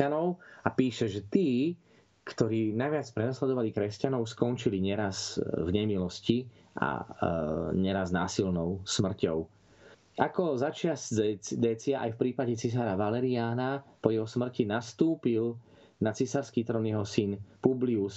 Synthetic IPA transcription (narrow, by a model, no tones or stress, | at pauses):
anɔʊapiːʃɛʒɛt̪iː | kt̪ɔɾiːnajʋɪat͡spɾɛnaslɛd̪ɔʋalikɾɛscanɔʊskɔnt͡ʃiliɲɛɾazvɲɛmilɔsci | ʔa̰ | ɲɛɾaznaːsilnɔʊsmr̩cɔʊ | akɔzat͡ʃɪazd̪ɛːt͡siaʔa̰jfpɾiːpaɟɛt͡sis̬aːɾaʋalɛɾiaːnapɔjɛɦɔsmr̩cinast̪uːpil | nat͡sisaɾskiːt̪ɾɔnjɛɦɔsinpublius